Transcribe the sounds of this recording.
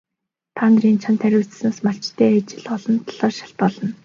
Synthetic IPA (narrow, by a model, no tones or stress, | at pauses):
t̪ʰaːnriːnt͡ɕʰant̪ʰæɾʲʊːt͡s̆snaːsmaɬt͡ɕt̪ʰːeːat͡ɕɪ̆ɮɔɮɞ̆nt̪ʰḁɮ̥ɔːrʃḁɬt̪̚pɔɮɞ̆n